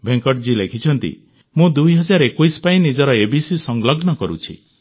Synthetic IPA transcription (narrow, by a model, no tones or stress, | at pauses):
bʱeŋkɔʈd͡ʒilekʰit͡ʃʰɔnt̪ḭ | mũd̪ujɦɔd͡ʒaɾekujspaĩnid͡ʒɔɾɔebisisɔŋɡlɔɡnɔkɔɾṵt͡ʃʰḭ